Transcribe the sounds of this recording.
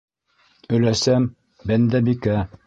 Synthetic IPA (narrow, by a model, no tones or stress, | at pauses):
ɵ̆læsæm | bɘnd̪æbikæ